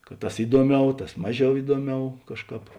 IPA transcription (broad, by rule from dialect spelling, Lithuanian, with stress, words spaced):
kɐt ˈtɐs ˈɪduɔˌmʲɛʊ ˈtɐs ˈmɑːˌʒʲɛʊ ˈɪduɔˌmʲɛʊ ˈkɑːʃˌkɑːp